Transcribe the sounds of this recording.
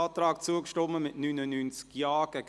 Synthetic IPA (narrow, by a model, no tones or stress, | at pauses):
ɑːtɾɑːkt͡suəkʃtɔməmɪʔnynənynt͡sjɑːɡ̥ɛɡ